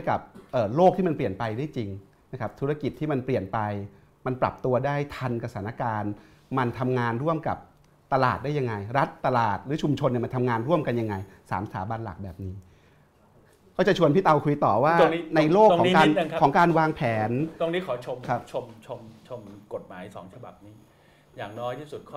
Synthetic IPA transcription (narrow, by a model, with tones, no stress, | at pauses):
jka̰˨˩p̚ʔɤː˨˩loː˥˩k̚t̪ʰiː˥˩ma˧npli˨˩ənpa˧jdaː˥˩jt͡ɕi˧ŋ | na˦kʰa˦˥p̚t̪ʰu˦˥ɾa˧ki˨˩t̪ʰːiː˥˩ma˧npli˨˩ənpa˧j | ma˧npɾa̰˨˩p̚t̪u˧ɐdaː˥˩jt̪ʰa˧nka˧saː˩˦na˧kaː˧n | ma˧nt̪ʰa˧mŋaː˧nɾu˥˩əmka̰˨˩p̚ | t̪a˧la̰ː˨˩t̪̚da˥˩ja˧ŋa˧jɾa˦˥t̪ːa˧laː˨˩t̪̚ɾɯː˩˦t͡ɕʰu˧mt͡ɕʰo˧nː˧˩ma˧nt̪ʰa˧ŋaː˧nɾu˥˩əmka˧nja˧ŋːa˧j | sa̰ː˩˦msa̰ː˩˦ba˧nla̰˨˩k̚bɛ̰ː˨˩p̚niː˦˥ | kʰaː˥˩t͡ɕa˨˩t͡ɕʰu˧ənpʰiː˦˥˩t̪a˧wkʰu˧jt̪ɔː˨˩waː˥˩o˧ŋ˦na˧jloː˥˩kʰːɔ˩˦kaː˧˦˧n˧ŋ˦kɔː˩˦ŋkaː˧nwaː˧ŋpʰɛː˩˦nt̪o˧ŋniː˦˥kʰɔː˩˦t͡ɕʰo˧mʰa˦˥t͡ɕʰo˧mt͡ɕʰo˧mt͡ɕʰo˧mko˨˩t̪̚maː˩˦jsɔː˩˦ŋt͡ɕʰa˧ba̰˨˩p̚niː˦˥ | jaː˨˩ŋnɔː˦˥jt̪ʰiː˥˩su˨˩t̪̚kʰː